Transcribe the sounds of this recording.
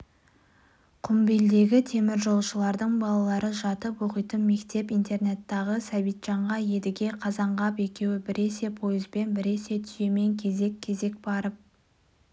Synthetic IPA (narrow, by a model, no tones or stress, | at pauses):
qʰʊmbe̞ld̪e̞ɡʲɪt̪ʰe̞mɪɾʒo̞lˠʃəlˠɑɾd̪əɴbɑlˠɑlˠɑɾəʒɑt̪əpoqəjt̪ənme̞kt̪e̞pijnt̪e̞rne̞t̪ːɑʁəsæbijt̪ʒ̥ɑɴʁɑje̞d̪ɪɡʲe̞qʰɑzɑɴʁɑpe̞kʲe̞wɪbɪɾe̞se̞pʰo̞jɪzbe̞nbɪɾe̞se̞t̪ʰʏ̥je̞me̞ŋkʲʰe̞ze̞kʲʰːe̞ze̞k̚bɑɾəp̚